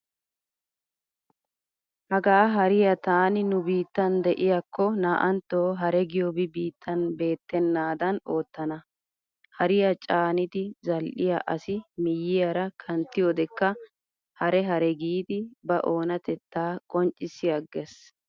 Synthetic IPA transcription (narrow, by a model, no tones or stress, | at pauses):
hɐɡaːɦɐɾɪjɐt̪aːnɪnʊbiːt̪ːɐnd̪ɛʔɪjɐkːɔnaːʔɐnt̪ːoːɦɐɾɛɡɪjɔbɪbiːt̪ʰːɐnbe̞ːt̪ːɛnːaːd̪ɐno̞ːt̪ːɐnɐ | hɐɾɪjɐt͡ʃʼaːnɪt̪ɪzɐlʔɪjɐ̰ʔɐsɪmɪjːɪjɐɾɐkʰɐnt̪ːɪjɔd̪ɛkːɐ | hɐɾɛɦɐɾɛɡiːd̪ɪbɐʔo̞ːnɐt̪ɛt̪ːaːkʼɔnt͡ʃʼːɪsɪjɐɡes